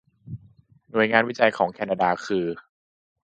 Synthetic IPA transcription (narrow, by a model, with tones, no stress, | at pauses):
nu˨˩əjŋaː˧nwi˦˥t͡ɕa˧jkʰɔː˩˦ŋkʰɛː˧naː˧daː˧kʰɯː˧